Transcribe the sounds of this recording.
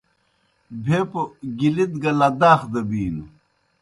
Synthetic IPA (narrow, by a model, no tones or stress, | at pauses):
bʱepoɡilid̪ɡɐlɐd̪aːxd̪ɐbiːnu